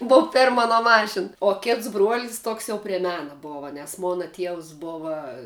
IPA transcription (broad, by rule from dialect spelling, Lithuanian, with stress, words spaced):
ˈboːʋɐ ˈpʲɛrm ɐˈnoː ˈmɑːʃʲɪn oː ˈkʲɪts bruɔlʲsʲ ˈtoːks jɛʊ pʲrʲɛ ˈmʲæːnɐ ˈboːʋɐ nʲɛs ˈmoːnɐ ˈtʲiɛws ˈboːʋɐ